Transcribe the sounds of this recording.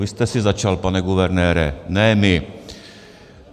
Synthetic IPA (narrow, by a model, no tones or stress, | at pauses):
ʋɪst̪ɛsizat͡ʃalpanɛɡuʋɛɾnɛːɾɛnɛmɪ